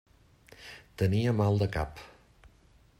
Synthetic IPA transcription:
t̪əniəmalˠd̪əka̰p

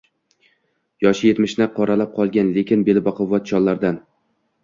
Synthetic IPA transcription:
jɒʃɪje̞t̪mɪʃnɪqʰɒɾalap̚qʰɒlˠɡʲanle̞kʲɪnbelbɒqʰɒvɒt̪̚t͡ʃʰɒnlaɾd̪an

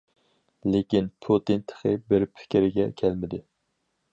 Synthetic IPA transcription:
lekʲinpʰot̪int̪ʰə̥χɨbɪɾpʰɪ̥kʲɪɾɪɡʲɛkʲʰɛlmɪd̪ɪ

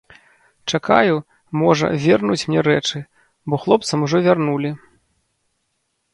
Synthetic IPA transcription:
t͡ʂaka̰ju | mɔʐɐ̰vʲɛrnut͡sʲmnʲɛɾɛt͡ʂɨ | bɔxlˠɔp̚t̪sɐmuʐɔvʲarnulʲi

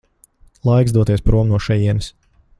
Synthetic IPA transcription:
lˠajksd̪uɔt̪iɛspɾuɔmnuɔʃɛjiɛnɨs

